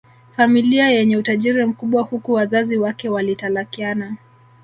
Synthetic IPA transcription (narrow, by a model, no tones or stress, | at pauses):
familiajɛɲɛutaʄiɾim̩kuɓwahukuwazaziwakɛwalitalakiana